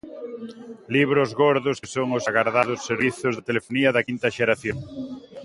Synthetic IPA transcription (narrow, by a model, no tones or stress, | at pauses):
liβɾʊzɣoɾðʊssoŋʊsaɣaɾðaðʊsːeɾβiθʊzðat̪elefoniɐðɐkint̪ɐʃeɾaθjoŋ